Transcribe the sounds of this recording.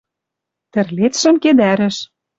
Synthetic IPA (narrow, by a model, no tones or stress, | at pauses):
t̪ɘ̆rlet͡sʃɘ̆mked̪æɾɘ̆ʃ